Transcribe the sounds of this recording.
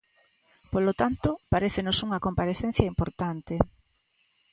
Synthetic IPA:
polot̪ant̪ʊpaɾeθenosuŋɐkompaɾeθen̟θjaimpoɾt̪ant̪e

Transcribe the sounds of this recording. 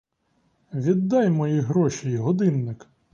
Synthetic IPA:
ʋʲid̪ːɑjmɔjiɦɾɔʃʲijiɦɔd̪ɪnːɪk

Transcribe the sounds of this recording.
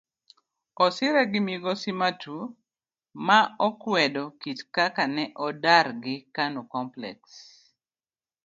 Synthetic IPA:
ɔsɪɾɛɡɪmiɡɔsimatʰu | maɔkwɛdɔkitkakanɛʔɔdarɡɪkanukɔmplɛ̰ks

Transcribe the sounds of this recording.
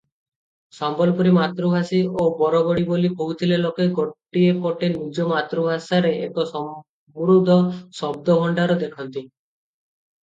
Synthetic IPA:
sɔmbɔlpɔɾimat̪ɾubʱasiobɔɾɔbɔɽibolikoɦut̪ʰilelokeɡoʈːiepoʈenid͡ʒɔmat̪ɾubʱasaɾeʔekɔsɔ | buɾud̪ʱɔsɔb̚d̪ɔbʱɔɳɖaɾɔd̪ekʰɔnt̪i

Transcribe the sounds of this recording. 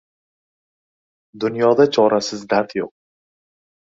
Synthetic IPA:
d̪ʊnjɒd̪at͡ʃʰɒɾasɪzd̪aɾt̪ʰjoq̚

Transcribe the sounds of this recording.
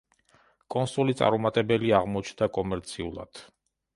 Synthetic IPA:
kʼɔnsulit̪sʼa̰ɾɔmat̪ʼɛbɛliaʁmɔt͡ʃʰnd̪akʼɔmɛɾt̪sʰiulˠa̰d̪̥

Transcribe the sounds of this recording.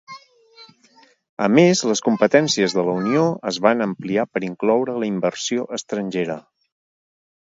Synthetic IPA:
əmezləskumpət̪ɛnsiəzðələunioəzβanəmpliapəɾiŋklɔwɾələimbərsioʔəst̪ɾənʲʒeɾə

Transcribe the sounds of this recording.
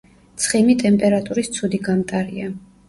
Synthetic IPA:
t̪sʰχimit̪ʼɛmpʼɛɾat̪ʼuɾist̪sʰud̪iɡamt̪ʼaɾia

